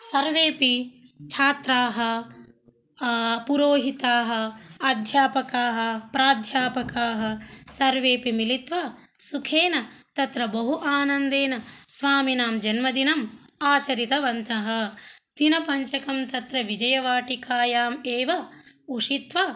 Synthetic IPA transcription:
sɐɾʋeːpit͡ʃʰaːt̪ɾaːɦɐ̆ | puɾoːɦit̪aːɦɐɐd̪ʱjaːpɐkaːɦɐ̆pɾaːd̪ʱjaːpɐkaːɦɐ̆sɐɾʋeːpimilit̪ʋɐ | sukʰeːnɐ | t̪ɐt̪ɾɐbɐɦuʔaːnɐnd̪eːnɐsʋaːminaːmd͡ʒɐnmɐd̪inɐmaːt͡ʃɐɾit̪ɐʋɐnt̪ɐɦɐt̪inɐpɐɲt͡ʃɐkɐmt̪ɐt̪ɾɐʋid͡ʒɐjɐʋaːʈikaːjaːmeːʋɐuʂit̪ʋɐ

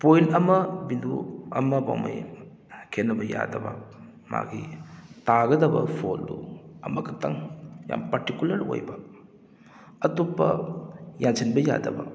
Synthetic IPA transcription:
pojlɐmɐbinduɐmɐba̰wma̰j | kʰenːɐbɐja̰dɐbɐ | ma̰ɡʰitaɡɐdɐbɐpʰoluɐmɐkʰɐtɐŋja̰mpaɾtikulɐɾo̰jbɐ | ɐtupːɐjansʰinbɐja̰dɐbɐ

